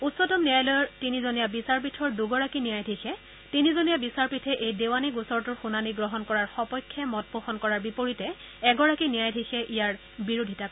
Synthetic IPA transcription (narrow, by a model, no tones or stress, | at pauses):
utsɔtɔmnijajlɔjɔɹtinizonijabisaɹp̬itʰɔɹduɡɔɹakinijajdʱesɛ | tinizonijabisaɹpitʰɛʔejdewanikusɔɹtuɹxunaniɡɹɔɦɔnkɔɹaɹxɔpɔjkʰːɛmɔt̚poxɔnkɔɹaɹbipoɹitɛ | ɛɡɔɹakinijajdʱesɛʔijaɹ | biɹudʱita